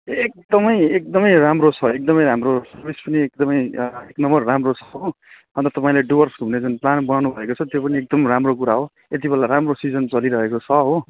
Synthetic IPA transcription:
ek̚d̪ʌmʌjek̚d̪ʌmʌjɾamrot͡sʰʌek̚d̪ʌmʌjɾamrosʌrbʱispʌniek̚d̪ʌmʌjeknʌmbʌrːamrot͡sʰʌ̥ɦo | ʌnt̪ʌt̪ʌpaĩleɖiwʌrsʰɦuned͡zunplanbʌnanubʱʌekot͡sʰʌt̪jopʌniek̚d̪ʌmʌɾamrok̬uɾaɦo | et̪̬ibelaɾamrosid͡zʌnt͡sʌliɾʌɦekot͡sʰʌɦo

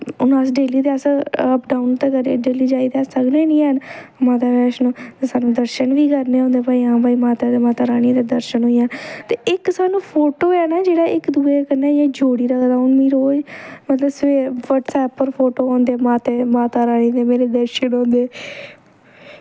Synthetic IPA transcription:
ʊnaːs̬ɖeːliːd̪easəəpɖaːunt̪eːkəɾɖeːliːd͡ʒaːiːɛːsəkneːnĩːɦənmaːt̪aːbɛːʃnõːt̪esaːnũːd̪əɾʃənʋiːkəɾnẽːɦõːnd̪eːpaːiːãːbaːiːmaːt̪aːd̪eːmaːt̪aːɾaːɽ̃ĩd̪eːd̪əɾʃənɦoːijãːt̪eːɪksaːnũːpʰoːʈoːɛːnaːd͡ʒeːɽaːɪkd̪uːeːkənaːjãːd͡ʒoːɽiːɾaːkəd̪aːnmĩːɾoːd͡ʒmət̪ləbseːʋəʈsɛːpːəɾpʰoːʈoːõːnd̪eːmaːt̪eːmaːt̪aːɾaːɽ̃ĩːd̪eːmeːɾeːd̪əɾʃənɦõːnd̪eː

